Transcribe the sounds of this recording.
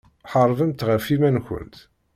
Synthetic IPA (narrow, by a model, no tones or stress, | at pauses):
ħəɾˤvəmt̪ʁəfimænçə̰nt̪